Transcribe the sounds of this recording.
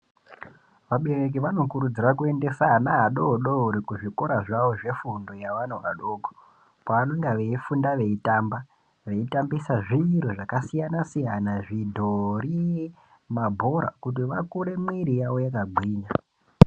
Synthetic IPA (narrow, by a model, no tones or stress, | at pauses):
ʋaɓerek̬iʋano̞kuɾud͡zirakue̞nde̞sanaɦaɗoɗouɾikuʐikoɾaʐaoʐe̞fundo̞jaʋanoʋa̰ɗo̞ːɡʱo̥ | paʋano̞ŋɡaʋeifundaʋe̞itamba | ʋe̞itambisaʐiɾuʐakasijanasijanaʐidʱo̞ɾie | mabʱo̞ɾa̰kut̬iʋakuɾe̞mwiɾijawo̞jakaɡ͡bʱwiːɲa